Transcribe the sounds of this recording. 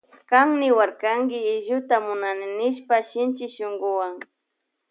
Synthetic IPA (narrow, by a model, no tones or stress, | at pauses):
kaŋnɪwaɾkaŋɡɪːʒʊt̪amʊnanɪnɪʃpaʃɪnt͡ʃɪʃʊŋɡʊwaŋ